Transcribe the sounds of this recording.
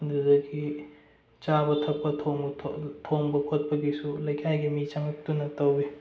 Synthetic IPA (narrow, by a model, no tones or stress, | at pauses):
ndudɐɡi | t͡ʃabɐtʰɐk̚pɐtʰoŋʰtʰoŋbɐkʰot̚pɐɡisulɐjkʰajɡimit͡ʃaŋɐk̚tunɐtɐwi